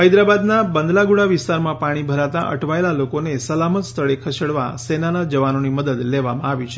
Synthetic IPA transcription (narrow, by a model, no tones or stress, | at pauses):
ɦəjd̪ɾabad̪nabənd̪laɡuɽ̃aʋɪst̪aɾmãpaɽ̃ibʱəɾat̪aʔə̰ʈʰʋaelalokonesəlamət̪st̪ʰəɭekʰəʃeɽʋa̰senanad͡ʒəʋanoniməd̪əd̪leʋamãaʋit͡ʃʰe